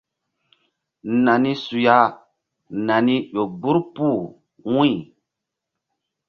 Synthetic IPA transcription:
na˨ni˦su˨ja˦ | na˨ni˦ʄo˨bu˦ɾpu˦˨ | wũ˦˨

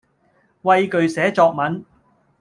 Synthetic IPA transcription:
wɐ˧jkɵ˨ɥsɛː˨˥t͡sɔː˧k̚mɐ˨˥n

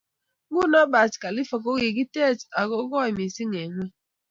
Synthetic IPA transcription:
ɡu˦na˦ba˨tka˨li˦fɔ˨k̬o˦ɣi˨ɡi˦te˦˨ta˨ɣo˦ɡɔ˦˨i˨mi˨si˦ŋe˨ŋʷe˦

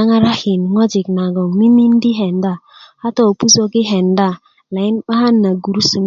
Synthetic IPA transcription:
a˦ŋa˦ɾa˦hi˨nŋɔ˦d͡ʒi˨k̚na˨ɡɔ˨ŋmi˦mi˦n˦di˦ɦɛ˨n˦da˦ha˦tɔ˦˨pu˦so˦ɡi˦ɦɛ˨nda˦˨ | la˨i˦nɓa˦ha˦nːa˨ɡu˨ɾu˦su˨ŋ

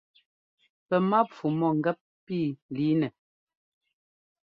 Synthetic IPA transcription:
pɛ˨ma˦p͡fu˨mɔ˦˨ŋ̩˨ɡɛ˦p̚piː˦˨li˨˦nɛ˨

